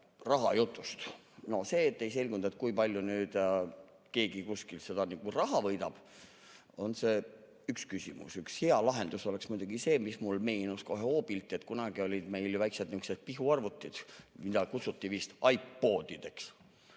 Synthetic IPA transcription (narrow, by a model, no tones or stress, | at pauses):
rɑɦɑjut̪ˑːust̪ | no̞se̞ːt̪ːˑejse̞lʲɡund̪ɑet̪̚ːˑkujpɑlʲjunyːd̪jɑ | ke̞ːɡikuskilse̞d̪̥ɑniɡurɑɦɑvɤjd̪ɑb̥ | o̞nse̞ː | ykskysʲḭmṵsyksheɑlɑɦe̞nd̪̥uso̞le̞ksmujd̪̥uɡise̞ːmismulme̞ːnusko̞ɦeo̞ːb̥ilt̪ːˑie̞t̪ːˑkunɑɡ̥io̞lʲid̪̥me̞jljuvæjksed̪nykset̪̚piɦuɑrvut̪ːˑid̪̥mid̪ɑkut̪sut̪ːivist̪ɑjpːoːd̪id̪̥e̞ks